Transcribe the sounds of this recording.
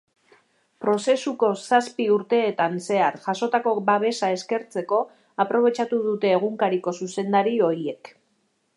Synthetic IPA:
pɾo̞se̞suko̞saspiuɾt̪e̞ːt̪anse̞aɾʝaso̞t̪ako̞baβ̞e̞sae̞ske̞ɾt͡se̞ko̞ | apɾo̞β̞e̞t͡ʃat̪uðut̪e̞ːɣuŋkaɾiko̞suse̞nd̪aɾio̞ɾie̞k

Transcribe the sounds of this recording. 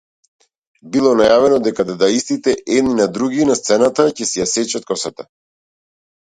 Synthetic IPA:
bilˠɔnajavɛnɔd̪ɛkad̪ad̪aist̪it̪ɛʔɛd̪ninad̪ɾuɡinast̪sɛnat̪acɛsɛjasɛt͡ʃat̪̚kɔsat̪a

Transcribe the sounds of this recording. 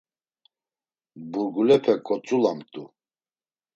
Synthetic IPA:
buɾɡulɛpʰɛkʼɔt͡sʼulamt̪ʼu

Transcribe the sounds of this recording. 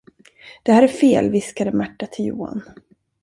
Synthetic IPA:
d̪̥ɛhæːɾæɾfeːlvɪskad̪əmæʈːat̪ʰɪljuːa̰n

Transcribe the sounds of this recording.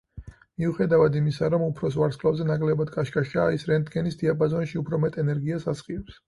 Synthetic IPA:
miuχɛd̪avad̪imisaɾɔmupʰɾɔsvaɾskʰʼlˠavzɛnakʼlɛbad̪kʼaʃkʼaʃaːisɾɛnd̪ɡɛnisd̪iapʼazɔnʃiupʰɾɔmɛt̪ʼɛnɛɾɡiasasχiɔps

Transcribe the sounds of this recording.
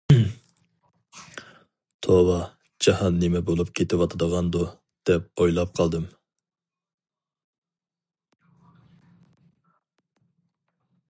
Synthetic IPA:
t̪ʰowɑ | d͡ʒɑhɑnːemɛbolˠupkʲʰet̪ɪwɑt̪ʰəd̪əʁɑnd̪u | d̪̥ɛp̚ojlˠɑp̚qʰɑlˠd̪ɨm

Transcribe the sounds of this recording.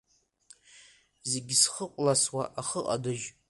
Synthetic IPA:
zeɡʲsχəqʷʼlaswaʔaχəqʼa̰dɨʒ

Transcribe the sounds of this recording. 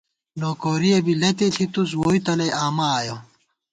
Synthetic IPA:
noːkoːɾijɐbilɐt̪et̪ʰit̪us̬woːit̪ɐlɐjʔaːmaːjo

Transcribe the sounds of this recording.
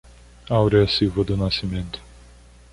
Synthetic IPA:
awɾɛɐsiwvɐd̪ʊnasimẽnt̪ʊ̥

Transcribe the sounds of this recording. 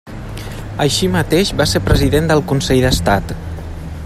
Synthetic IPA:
əʃimət̪eʃbaseɾpɾəziðend̪əlˠkunsɛʎðəst̪at̪

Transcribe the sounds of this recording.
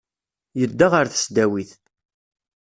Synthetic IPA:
jəd̪ːaʁəɾθə̥sd̪æwiθ

